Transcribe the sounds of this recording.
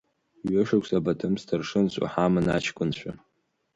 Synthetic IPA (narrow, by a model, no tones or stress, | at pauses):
ɥɪʂakʷsabatʰɨmstʰɨrʂɨnɕʷʼa̰ħamɨna̰t͡ʃʰkʷʼʊnɕʷᶣa